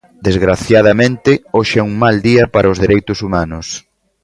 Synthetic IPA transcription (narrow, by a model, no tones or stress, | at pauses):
d̪ezɣɾaθjað̞ɐmẽnt̪ɪoʃɛuŋmald̪iɐpaɾʔɐʊzðeɾejt̪ʊsumanʊs